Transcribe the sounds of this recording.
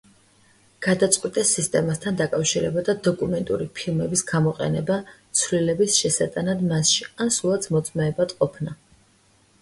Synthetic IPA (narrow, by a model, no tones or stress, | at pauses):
ɡ̥ad̪at̪sʼqʼwit̪ʼɛsːist̪ʼɛmast̪ʰand̪akʼafʃiɾɛbad̪ad̪ɔkʼumɛnt̪ʼṵɾipʰilˠmɛbisɡamɔqʼɛ̰nɛbat̪sʰvlilɛbisʃɛsat̪ʼanad̪masʃiansulˠat̪sʰmɔt̪sʼmɛːbad̪̥qʼɔpʰna